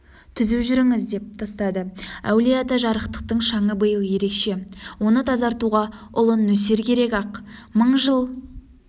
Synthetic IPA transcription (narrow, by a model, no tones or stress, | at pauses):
t̪ʰʏzuʒʏɾɪŋɪzd̪e̞p̚t̪ʰɑst̪ɑd̪əæ̰wlijat̪ɑʒɑɾəqt̪ə̥q̚t̪əɴʃɑɴəbəjəlˠje̞ɾe̞kʃe̞wo̞nət̪ʰɑzɑɾt̪uʁɑʊlˠənːɵse̞ɾkʲʰe̞ɾe̞kɑqməɴʒəlˠ